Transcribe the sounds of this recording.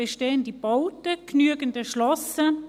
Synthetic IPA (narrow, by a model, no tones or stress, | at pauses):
eʃteːəndib̥ɔʊtəknyəɡəndəʃlɔsə